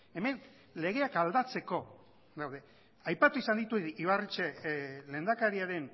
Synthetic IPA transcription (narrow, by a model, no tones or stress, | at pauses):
e̞me̞n | le̞ɣ̞e̞akald̪at͡se̞ko̞ | d̪awðe̞ | ajpat̪uisand̪it̪uiβarit͡ʃele̞ːnd̪akaɾiaɾe̞n